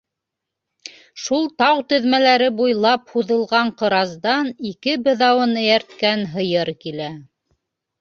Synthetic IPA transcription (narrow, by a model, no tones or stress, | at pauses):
ʃulˠt̪ɑwt̪ɵ̆ðmælæɾɘbujlˠɑphuðɤ̆lˠʁɑɴqɤ̆ɾɑzd̪ɑnikɘbɘ̆ðɑwɤnɘ̆jæɾt̪kænɦɤ̆jɤɾkilæ